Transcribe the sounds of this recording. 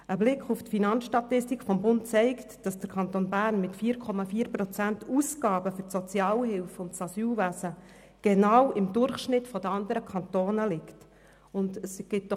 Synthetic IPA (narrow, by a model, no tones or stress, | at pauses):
əblɪkʰuftfinɑnsʃtɑt̪ɪstikfɔmbʊntt͡sɛɪktd̥ɑsd̥əɾkʰɑnt̪oːnbæːrnmɪtfiːɾkʰɔmɑfiːəɾpɾɔt͡sæntʰusɡ̥ɑːbəfʏɾsɔt͡sjɑːlhɪlfʊntsɑsyːlʋæsə | ɡ̥enɑːwɪmdʊrχʃnɪtfɔd̥̪əɑnd̪əɾəkʰɑnt̪oːnəlɪkt | ʊndəsɡ̥ɪt̚dɔ